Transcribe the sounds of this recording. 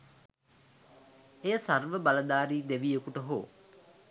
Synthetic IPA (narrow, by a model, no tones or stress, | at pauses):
eːəsarʋəbaləd̪aːɾiːd̪eʋijəkuʈəɦo̰ː